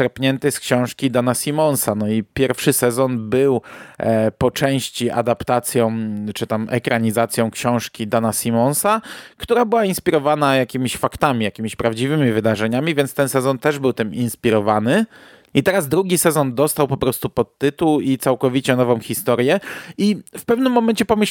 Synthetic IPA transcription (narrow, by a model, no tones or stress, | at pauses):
ɛɾpɲɛnt̪ɘskɕɔ̃w̃ʂkʲid̪anasʲimɔ̃nsanɔipʲjɛɾfʂɘsɛzɔnbɘw | pɔt͡ʂɛ̃w̃ɕt͡ɕiʔa̰d̪apt̪at̪sʲjɔ̃w̃t͡ʂɘt̪amɛkɾaɲizat̪sʲjɔ̃w̃kɕɔ̃w̃ʂkʲid̪anasʲimɔnsakt̪uɾabɘwainspʲiɾɔvanajakʲimʲiɕfakt̪amʲijakʲimʲiɕpɾavd͡ʑivɘmʲivɘd̪aʐɛɲamʲivʲjɛnt̪st̪ɛnsɛzɔnt̪ɛʐbɘwt̪ɘminspʲiɾɔvanɘ | it̪ɛɾazd̪ɾuɡʲisɛzɔnd̪ɔst̪awpɔpɾɔst̪upɔt̪ːɘt̪uwit̪sawkɔvʲit͡ɕɛnɔvɔ̃w̃xʲist̪ɔɾjɛifpɛvnɘmːɔmɛnt͡ɕɛpɔmɘ